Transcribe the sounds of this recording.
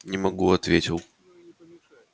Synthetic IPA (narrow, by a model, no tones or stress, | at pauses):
nʲɪmɐɡuɐt̪vʲetʲɪlˠ